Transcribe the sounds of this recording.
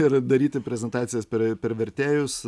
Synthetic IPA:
ɪrd̪ɐɾʲiːt̪ʲɪpʲɾʲɛzʲɛnt̪ɑːt̪sʲɪjɛspʲɛɾpʲɛɾʋʲɛɾʲt̪ʲeːjʊs

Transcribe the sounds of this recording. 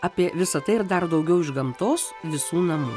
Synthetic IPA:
ɐpʲiɛʋʲɪsɐt̪ɐɪɪɾd̪ɐɾd̪ɐʊɡʲɛʊɪʒɡɐmt̪oːs | ʋʲɪsuːnɐmṵː

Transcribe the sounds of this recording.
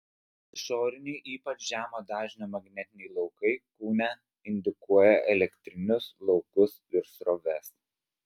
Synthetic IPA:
ʃoːɾʲɪnʲɛɪʔiːpɐt͡ʃʒʲæːmoːd̪ɑːʒʲnʲoːmɐɡnʲɛt̪ʲɪnʲɛɪlˠɒʊkɐɪkuːnʲɛ | ɪnʲd̪ʲɪkuɔjɛʔɛlʲɛkt̪ʲɾʲɪnʲʊslˠɒʊkʊsɪɾsɾoːʋʲɛs

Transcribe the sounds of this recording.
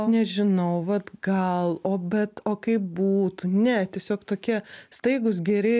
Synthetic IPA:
nʲɛʒʲɪnɐʊʋɐt̪ɡɐlˠoːbʲɛt̪oːkɐɪp̚buːt̪unʲɛt̪ʲiɛsʲoːkt̪oːkʲiɛst̪ɐɪɡʊsɡʲɛɾʲɪ

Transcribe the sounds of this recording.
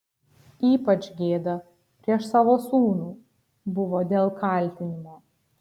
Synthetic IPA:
iːpɐt͡ʃʲɡʲeːd̪ɐ | pʲɾʲiɛʃsɑːʋoːsuːnuː | bʊʋoːd̪ʲeːlˠkɐˑlʲt̪ʲɪnʲɪmoː

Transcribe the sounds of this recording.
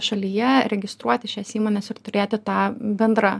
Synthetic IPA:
ʃɐlʲijɛɾʲɛɡʲɪst̪ɾuɔt̪ʲɪʃʲɛsiːmoːnʲɛsɪɾt̪ʊɾʲeːt̪ʲɪt̪ɑːbʲɛnd̪ɾɐ

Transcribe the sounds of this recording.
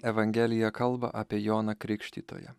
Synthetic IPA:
ɛʋɐŋʲɡʲɛlʲɪjɛkɐlˠbɐ̰ʔɑːpʲiɛjoːnɐkɾʲɪkʃʲt̪ʲiːt̪o̰ːjɛ̰

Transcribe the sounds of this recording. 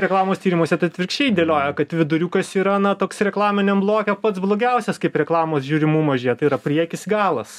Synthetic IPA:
ɾʲɛklˠɑːmoːst̪ʲiːɾʲɪmoːsʲɛt̪ɐt̪ʲʋʲɪrkʃʲt͡ʃʲɛɪd̪ʲeːlʲoːjɛkɐt̪ʋʲɪd̪ʊɾʲuːkɐsiːɾɐnɐt̪oːksɾʲɛklˠɑːmʲɪnʲɛmblˠoːkʲɛpɐt̪sblˠoːɡʲɛʊsʲɛskɐɪpɾʲɛklˠɑːmoːsʒʲuːɾʲɪmuːmɐʒʲeːjɛt̪ɐɪiɾɐpʲrʲiɛkʲɪsɡɑːlˠɐs

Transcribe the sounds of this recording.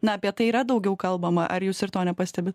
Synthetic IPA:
nɐɐpʲiɛt̪ɐɪiːɾɐd̪ɒʊɡʲɛʊkɐlˠbɐmɐʔɐɾjuːsɪɾt̪oːnʲɛpɐsʲt̪ʲɛbʲɪt̪

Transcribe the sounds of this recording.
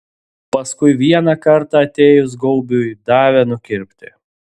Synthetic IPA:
pɐskʊɪʋʲiɛnɑkɐɾt̪ɑɐt̪ʲeːjʊs̬ɡɔʊbʲuid̪ɑːʋʲɛnʊkʲɪɾʲpʲt̪ʲɪ̰

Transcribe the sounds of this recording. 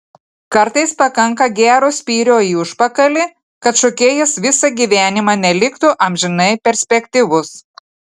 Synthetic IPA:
kɐɾt̪ɐɪspɐkɐŋkɐɡʲæːɾoːsʲpʲiːɾʲoːiːʊʃpɐkɐlʲɪ | kɐt̪ʃɔkʲeːjɛsʋʲɪsɐɡʲiːʋʲæːnʲɪmɑːnʲɛlʲɪkt̪ʊʔɐmʲʒʲɪnɐɪpʲɛɾʲsʲpʲɛkʲt̪ʲɪʋʊs

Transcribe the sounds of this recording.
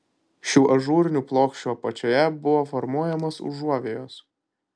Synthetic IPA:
ʃʲuːʔɐʒuːɾʲɪnʲuːplˠoːkʃʲt͡ʃʲoːpɐt͡ʃʲoːjɛbʊʋoːfɔɾmuɔjɛmoːsʊ̰ʒuɔʋʲeːjoːs

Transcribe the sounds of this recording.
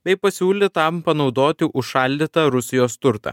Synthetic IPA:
bʲɛɪpɐsʲuːlʲɪt̪ɐmpɐnɒʊd̪oːt̪ʲɪʔʊʃʃɐˑlʲd̪ʲɪt̪ɐɾʊsʲɪjoːst̪ʊɾt̪ɐ̰ː

